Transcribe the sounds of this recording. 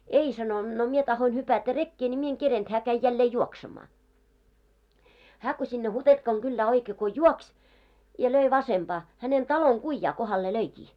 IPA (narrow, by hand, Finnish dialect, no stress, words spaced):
ei sɑno no mie tɑhoin hypætæ rekːeː nʲi mie eŋ kerent hæː kæi jælːeː juoksemɑː hæː ko sinːe hutentkɑŋ ɡ̊ylːæː oikeː ko juoksʲ jɑ løi ʋɑsemb̥ɑː hænen tɑloŋ ɡ̊uĭjːɑː kohɑlːe løikiː